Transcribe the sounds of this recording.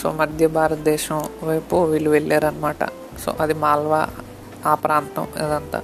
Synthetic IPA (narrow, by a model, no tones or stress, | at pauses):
so̰mɐd̪ʱjɐbʱaːɾɐt̪d̪eːʃɐ̃ʋɐjpoʋiluʋelːeɾɐnmaːʈɐ̰ | so̰ʔɐd̪imaːlʋa̰ | aːpɾaːnt̪ɐ̰̃mḛd̪ɐnt̪ɐ̰